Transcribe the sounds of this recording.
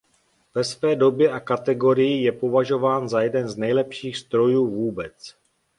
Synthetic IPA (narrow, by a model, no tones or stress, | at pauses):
vɛsvɛːdo̞bjɛʔakat̪ɛɡo̞ɾɪjɪjɛpo̞vaʒo̞vaːnzajɛdɛnznɛjlɛpʃiːxst̪ɾo̞juːvuːbɛt͡s